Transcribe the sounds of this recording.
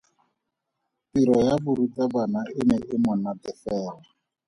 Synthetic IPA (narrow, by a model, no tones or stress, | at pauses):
tiɾɔjabʊɾut͡sabanaʔɪnɛʔɪmɔnatɛfɛːla